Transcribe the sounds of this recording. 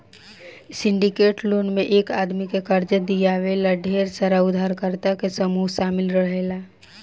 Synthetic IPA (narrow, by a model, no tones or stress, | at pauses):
sɪ̃ɳɖikeːʈloːnmẽʔeːkaːd̪mikekəɾd͡ʒəd̪ijaʋelaɖʱeːɾsəɾaʊd̪ʱaɾkəɾt̪akesəmuːɦʃaːmɪlɾəɦeːlaː